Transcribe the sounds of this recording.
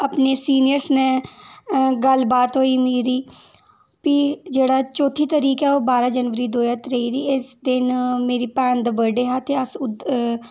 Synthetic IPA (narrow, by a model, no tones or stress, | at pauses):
ɐpnesiːnɪjəɾsnẽ | ɡəlbaːt̪ɦoːimeːɾiː | pid͡ʒeːɽat͡ʃoːt̪ʰit̪əɾiːkɛoːbaːɾad͡ʒənʋəɾid̪oːjət̪ɾɐɦit̪ʰiːɪsd̪ɪnmeːɾipɛ̃ːnd̪əbəɖeɦat̪eɐsʊd̪